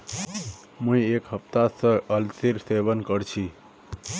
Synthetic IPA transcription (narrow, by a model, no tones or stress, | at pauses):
mũĩekɦəpt̪asəəlsiɾseʋənkəɽt͡ʃʰi